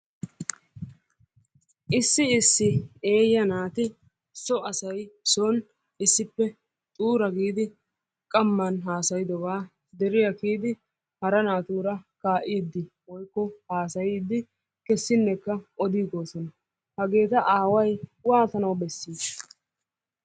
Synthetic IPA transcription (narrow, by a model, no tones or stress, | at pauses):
ʔɪsːɪɪsːɪeːjɐnaːt̪ɪ | sɔʔɐsɐjson | ɪsːɪpːɛ | t̪ʼuːɾɐɡiːd̪ɪ | kʼɐmːɐnɦaːsɐjɪd̪ɔbaː | d̪ɛɾɪjɐkiːd̪ɪ | hɐɾɐnaːt̪uːɾɐkaːʔiːd̪ːɪ | wɔjkːɔhaːsɐjiːd̪ːɪ | kɛsːɪnːɛkːɐʔɔd̪iːɡo̞ːsɔnɐ | hɐɡe̞ːt̪ɐʔaːwɐjwaːt̪ɐnɐwbɛsːiːd